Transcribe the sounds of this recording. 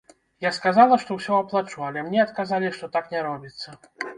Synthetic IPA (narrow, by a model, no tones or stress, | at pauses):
jaskazalˠɐʂt̪ɔwsʲɔɐplˠat͡ʂualʲɛmnʲɛɐt̪kazalʲiʂt̪ɔt̪aknʲɛɾɔbʲit̪sːɐ